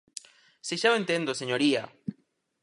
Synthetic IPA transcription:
seʃaoent̪end̪oseɲoɾia

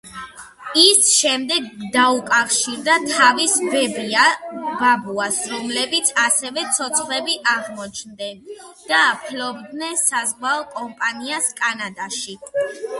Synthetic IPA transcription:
isʃɛmd̪ɛɡd̪aukʼafʃiɾd̪at̪ʰavisbɛbiababuasɾɔmlɛbit̪sʰasɛvɛt̪sʰɔt̪sʰχlɛbiʔaʁmɔt͡ʃʰnd̪ɛnd̪̥aːpʰlɔbd̪nɛnsazʁwaɔkʼɔmpʼaniaskʼanad̪aʃi

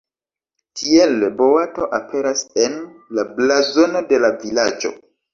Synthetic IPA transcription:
kʰielbo̞wato̞ʔapʰe̞ɾase̞nlablazo̞no̞de̞lavilad͡ʒo̞̰

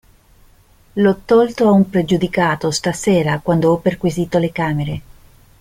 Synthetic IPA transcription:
lɔt̪ːɔlt̪oaumpɾed͡ʒud̪ikaːt̪ost̪aseːɾakwand̪oɔpːerkwiziːt̪olekaːmeɾe

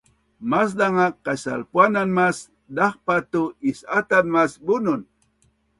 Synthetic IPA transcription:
mas̬d̪aŋaqasa̰lpwananmas | d̪ɑχpat̪ʊɪsat̪anmasbʊnʊn

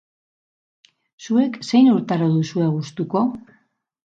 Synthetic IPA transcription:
sue̞kse̞jnuɾt̪aɾoðusueɣ̞ust̪uko̞

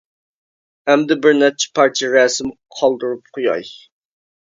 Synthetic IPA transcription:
ɛmd̪ɪbɪɾnɛt̪̚t͡ʃʰɛ̥pʰɑɾt͡ʃ̪ʰijɛɾɛsɪm | qʰɑlˠd̪ɨɾup̚qʰojɑ̰j

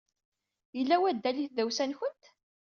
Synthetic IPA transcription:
jəlːæwæd̪ːæliθðæwsænçənt̪

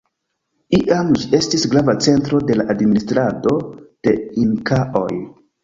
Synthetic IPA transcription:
iʔamd͡ʒiʔe̞stisɡɾavat͡se̞ntɾo̞de̞laʔadministɾado̞d̥e̞iŋkaʔo̞̰j

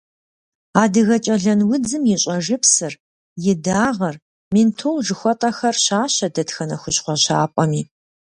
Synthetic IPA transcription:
aːdɨɣɐt͡ʃʼɐɮɐnwʊd͡zɨmjɪɕʼɐʒɨpsɨr | jɪdaːʁɐr | mintʰowʒɨxʷɔtʼɐxɐrɕaːɕɐdɐtxɐnɐxʷʊɕqʷɔɕaːpʷʼɔmiː

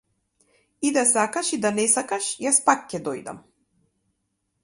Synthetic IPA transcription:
id̪asakaʃid̪anɛsakaʃjaspakcːɛd̪ɔjd̪a̰m

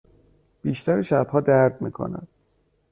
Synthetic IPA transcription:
b̥iːʃt̪ʰæɾeʃæb̥hɒːd̪æɾd̪̚miːkʰo̰næ̰d̪̥

